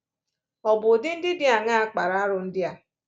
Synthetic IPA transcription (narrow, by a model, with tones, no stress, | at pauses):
ɔ˨bʊ˨dɪ˦n̩˦dɪ˦dɪ˦a˨ŋa˦a˦k͡pa˨ɾa˦a˦ɾʊ˨n̩˦dɪ˦a˨